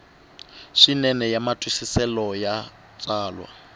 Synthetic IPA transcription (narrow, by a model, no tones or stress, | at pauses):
ʂinɛnɛjamatʼwisisɛlɔja | t͡sʼaːlwa̰